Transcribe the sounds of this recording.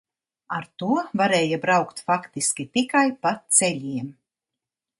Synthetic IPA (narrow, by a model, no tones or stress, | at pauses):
aɾt̪uɔvaɾɛːjabɾawkt̪fakt̪iskʲit̪ikajpat̪sɛlʲiɛm